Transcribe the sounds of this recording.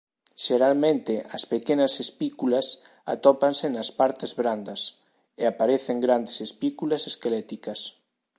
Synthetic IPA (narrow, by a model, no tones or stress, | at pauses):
ʃeɾalmẽnt̪eɐspekenasespikulas | a̰t̪ɔpansenaspaɾt̪ezβɾand̪ɐs | eapaɾeθeŋɡɾand̪esespikulaseskelɛt̪ikɐs